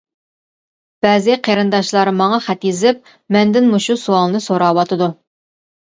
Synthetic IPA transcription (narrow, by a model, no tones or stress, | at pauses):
b̥ɛzɪqʰeɾɨnd̪ɑʃlˠɑɾɨmɑŋɑχɛt̪jezɪp̚ | mɛnd̪ɪnmuʃusuɑlˠnɨsoɾɑːwɑt̪ʰɨd̪u